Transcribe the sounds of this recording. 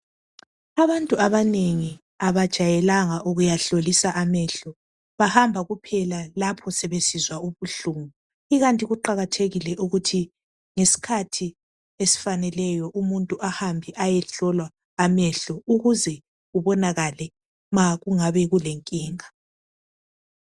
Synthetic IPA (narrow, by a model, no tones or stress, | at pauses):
aβantʼuaβaneŋi | aβad̥ʒ̥ʱajɛlaŋaʔuɣujaɬolisaʔamɛɬɔ | βahambʱaɣupʰɛlalapʰɔsɛβesizwauβuɬuːmu | iɣantʼiɣuǃaɣatʰeɣilɛʔuɣutʰi | ŋesi̥kʰatʰi | esi̥fanɛlɛjɔʔumuntʼuʔahambʱiʔajɛɬɔlwaː | mɛɬɔuɣuzɛ | ɣuβɔnaɣalɛ | maɣuŋaβɛɣuleŋkʼiːŋa